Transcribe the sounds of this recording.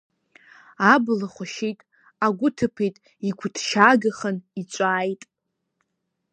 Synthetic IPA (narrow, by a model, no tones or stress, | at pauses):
ablaχʷʊʃejtʼ | aɡʷʊtʰɨpʰejtʼ | ikʷʰʊdʰʃaɡaχənit͡ʃʷʼaːjtʼ